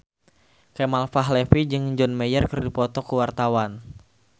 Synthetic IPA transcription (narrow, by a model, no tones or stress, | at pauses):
kɛmalfaɦlɛfid͡ʒɨŋd͡ʒɔnmɛjərkɨrdipɔt̪ɔkəwart̪awan